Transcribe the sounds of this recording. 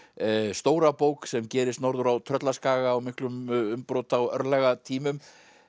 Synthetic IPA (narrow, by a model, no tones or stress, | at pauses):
st̪oːwɾapoːwksɛmcɛːɾɪst̪nɔɾðʏɾawt̪ʰɾœt̪laskaːɣaːwmɪhklʏmʏmpɾowt̪awœɾlɛɣat̪ʰiːmʏm